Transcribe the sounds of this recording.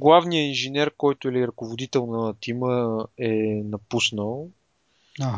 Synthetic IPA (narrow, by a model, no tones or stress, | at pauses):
ɡlˠavnijəinʒinɛɾkɔjt̪ʊɛliɾɐkovod̪it̪ɛlˠnət̪iməɛnɐpusnəlˠ